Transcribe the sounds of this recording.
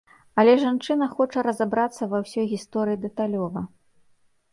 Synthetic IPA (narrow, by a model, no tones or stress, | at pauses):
ɐlʲɛʐant͡ʂɨnɐxɔt͡ʂɐɾɐzabɾat̪sːɐvɐwsʲɔjɣʲist̪ɔɾɨjid̪ɛt̪alʲɔvɐ